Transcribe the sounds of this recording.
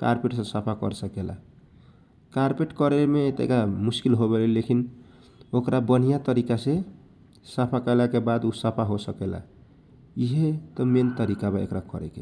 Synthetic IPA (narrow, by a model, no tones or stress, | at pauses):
ka̰ɾpeʈsə̃sapʰakʌɾsəkela̰ | kaɾpeʈkɔɾelmet̪ḛkamuskilɦoβelelekʰin | okɾabən̤ijat̪əɾikase | sapʰakəlakebad̪usəpʰaɦosəkela̰ | iɦet̪ɔment̪əɾikabaḛkɾakʌ̰ɾḛke